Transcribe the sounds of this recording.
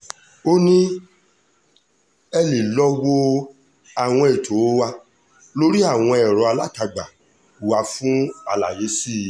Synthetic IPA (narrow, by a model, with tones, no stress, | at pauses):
o˦nĩ˦ | ɛ˧li˨lɔ˦wo˧ | a˨w̃ɔ̃˧e˨tʰo˨˦wa˧ | lo˦ɾi˦a˦˨w̃ɔ̃˧ɛ˨ɾɔ˨˧˦a˧la˦ta˧ɡ͡ba˨ | u˨wa˨˧fũ˦a˧la˨je˨˦si˦˨